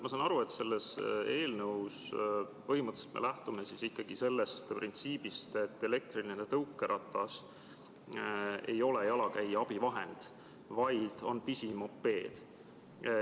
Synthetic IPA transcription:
mɑsɑnɑɾue̞t̪se̞lːese̞ːlnɤuws | pɤɦimɤt̪ːˑselt̪mḛlæht̪umesisikːɑɡ̥ise̞lːest̪prʔint̪siːbist̪e̞t̪ːe̞le̞k̚t̪rilinenet̪ɤwkːˑe̞ɾʔɑt̪ːˑɑs | e̞̰jo̞le̞jɑlɑkæjɑb̥ivɑɦe̞̰nd̪̥ | vɑjd̪̥o̞npisimo̞pːe̞ːd̪̥

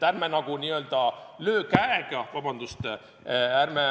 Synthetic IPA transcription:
t̪ærmenɑɡ̥uniːø̞ld̪̥ɑløːkæeɡ̥ɑvɑbɑnd̪ust̪ | ærme

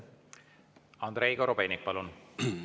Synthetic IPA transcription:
ɑnd̪ɾejɡ̥ɑɾobenʲik̚pɑlun

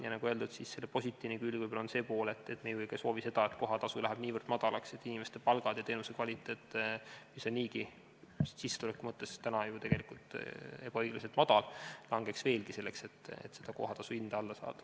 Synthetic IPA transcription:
jɑnɑɡue̞ld̪ud̪sisse̞lːepo̞sʲit̪ʲːˑiːvnekylʲvujbolɑonse̞ːpo̞ːleet̪ːˑe̞t̪mejojkɑso̞ːvise̞d̪̥ɑet̪ko̞ɦɑt̪ɑsulæɦæb̥niːvərd̪̥mɑd̪̥ɑlɑkse̞t̪ːˑinʲimest̪e̞pɑlɡ̥ɑd̪̥jɑt̪e̞ːnusekvɑlʲit̪ːˑe̞ːt̪ːˑemiseniːɡi | sisːet̪ulekːˑumɤt̪ːˑest̪ænɑjut̪e̞ɡ̥e̞likult̪e̞b̥ɑɤjɡ̥lɑset̪mɑd̪̥ɑllɑŋɡ̥e̞ksve̞ːlɡ̥ise̞lːe̞kse̞t̪ːˑḛt̪ːˑse̞d̪ɑko̞̰ɦɑt̪ɑsuind̪̥ɑɑlːɑsɑ̰ːd̪̥ɑ̥

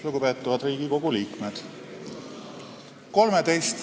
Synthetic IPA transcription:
luɡupe̞ːt̪ːˑuvɑd̪riːɡ̥iko̞ɡ̥uliːkmed̪̥ | ko̞lmet̪e̞jst̪

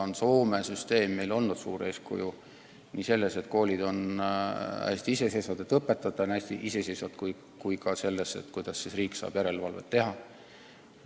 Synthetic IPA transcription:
onso̞ːme̞syst̪e̞ːmːe̞jlo̞lnnud̪̥suːɾe̞ːskṵju | niːse̞lːese̞t̪ko̞ːlʲid̪̥o̞n | æ̰sʲt̪iise̞sesɑd̪et̪ːˑɤpːe̞t̪ːˑɑt̪ːˑɑnæsʲt̪iʔise̞sesɑt̪kuj | kujkɑse̞lːesːḛt̪kujd̪̥ɑsːisriːksɑ̰ːb̥jæɾe̞lvɑlvḛt̪ːe̞ɦɑ

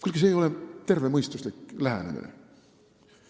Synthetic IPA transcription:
kylɡ̥iseːjo̞let̪e̞rve̞mɤjst̪uslikːlæɦenḛmḭnḛ

